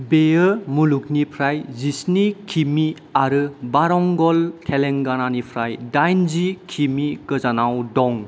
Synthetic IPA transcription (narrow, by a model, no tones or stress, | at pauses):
bejɯmuluk̚nipʰɾajzisnikʰimi | aɾɯbaɾɔŋɡɔlkʰeleŋɡananipʰɾajdajnzikʰimiɡ̥ɯzanawdɔŋ